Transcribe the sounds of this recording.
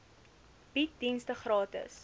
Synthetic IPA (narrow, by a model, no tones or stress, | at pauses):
b̥it̚dinstəχrɑːtə̰s